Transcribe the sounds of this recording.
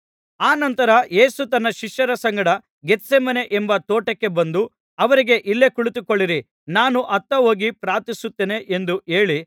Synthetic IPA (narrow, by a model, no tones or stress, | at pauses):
aːnɐnt̪ɐɾɐje̞ːsut̪ɐnːɐʃiʂjɐɾɐsɐŋɡɐɽɐ | ɡet̪ːsemɐne̞ʔembɐt̪oːʈɐkːe̞bɐnd̪u | ɐʋɐɾiɡe̞ʔilːe̞kuɭit̪ukoɭːiɾi | naːnuʔɐt̪ːɐɦo̞ːɡipɾaːt̪isut̪ːeːne̞ʔend̪ue̞ːɭi